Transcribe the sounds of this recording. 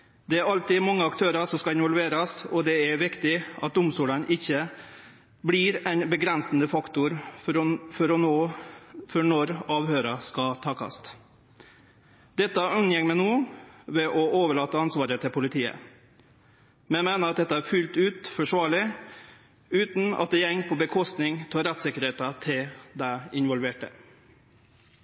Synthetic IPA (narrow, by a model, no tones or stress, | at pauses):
d̪̥ɛæɾɑlt̪ɪmɑŋːəɑkt̪ʰøːɾəʂɔmskɑɪnʋɔlʋeːɾɑsɔd̪ɛæɾʋɪkt̪ɪʔɑ̰t̪̚d̪ʊmst̪uːlənʔɪçːə | bliːɾɛɪnbəɡɾɛnsnəfɑkt̪ʊɾ | fɔɾɔnoːfɔɳɔɾɑːʋhøːɾɑskɑt̪ʰɑːkʰɑ̰st̪ | d̪̥ɛt̪ːəʔʉnjɛŋmɛnoːʋɛʔɔʔoːʋəɭɑːt̪əɑnsʋɑːɾət̪ʰɪpʰʊlɪt̪ʰiːə̰ | mɛmæɪnəɾɑt̪̚d̪ɛt̪ːəæɾfʉlt̪ʉːt̪fɔʂʋɑːɭɪ | ʉːt̪n̩ɑ̰t̪̚d̪eːjɛŋːpʰɔbəkʰɔst̪nɪŋt̪ʰɑːɾɛt̪sɪkəɾheːt̪ɑt̪ʰɪld̪æɪɪnʋɔlʋeːʈə̰